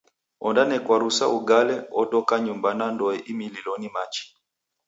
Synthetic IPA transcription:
ɔndanɛkwaɾusauɡalɛɔɗɔkaɲumbanandɔɛʔimililɔnimat͡ʃi̥

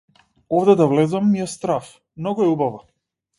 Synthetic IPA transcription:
ɔvd̪ɛd̪avlɛzamːiɛst̪ɾaf | mnɔɡoɛubava

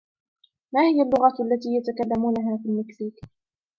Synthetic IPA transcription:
maːhɪjalːʊɣaʔalːat̪iːjat̪akalːamuːnaɦaːfiːlmɪksiːk

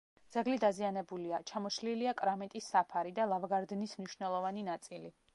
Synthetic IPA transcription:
d̪z̥aɡlid̪azianɛbuliat͡ʃʰamɔʃliliakʼɾamɛt̪ʼisːapʰaɾid̪alˠavɡaɾd̪nismniʃnɛlˠɔvaninat̪sʼili

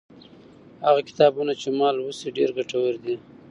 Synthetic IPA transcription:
haɣakɪ̥t̪ɑbunat͡ʃemɑlwuseɖḛɾɡaʈawəɾd̪i

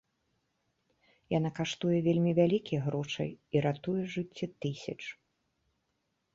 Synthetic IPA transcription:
janakaʂt̪ujɛvʲelʲmʲivʲalʲikʲijɣɾɔʂɐ̰jiɾat̪ujɛʐɨt͡sʲːɛt̪ɨsʲɐt͡ʂ

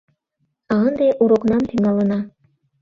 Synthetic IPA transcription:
ɑnd̪ɑjʔuɾŏqnɑnt̪ʰiŋɑlˠɯ̆nɑ

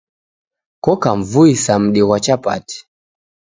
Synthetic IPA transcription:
kɔkaɱvuisam̩ɗiɣwat͡ʃapa̰ti̥

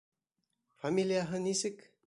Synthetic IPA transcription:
famʲilʲijaɦɤnisɘk

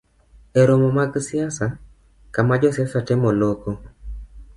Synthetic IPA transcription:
eɾomɔmaɡsɪasa | kamad͡ʒɔsjasatɛmɔloko

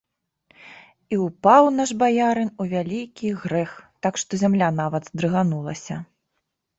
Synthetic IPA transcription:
iupawnaʐbajaɾɨnuvʲalʲikʲiɣɾɛxt̪akʂt̪ɔzʲamlʲanavɐd̪zd̪ɾɨɣanulˠɐsʲɐ

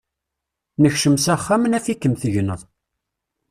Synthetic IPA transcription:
nəçʃəmsæχːæmənæfikːəmθəʝnəðˤ

